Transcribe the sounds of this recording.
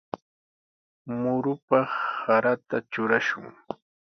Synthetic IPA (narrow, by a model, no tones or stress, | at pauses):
mʊɾʊpɑχːaɾat̪at͡ʃʊɾaʃʊ̰ŋ